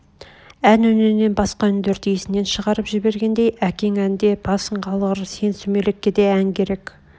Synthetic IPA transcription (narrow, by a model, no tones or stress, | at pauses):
ænɵnɪne̞nbɑsqɑʏnd̪eɾd̪ijesɪne̞nʃəʁɑɾəpʒɪbe̞ɾɡʲe̞nd̪e̞jækʲe̞ŋænd̪e̞b̥ɑsəɴqʰɑlˠʁəɾse̞nsume̞lɪkʲːe̞d̪e̞æŋkʲʰe̞ɾe̞k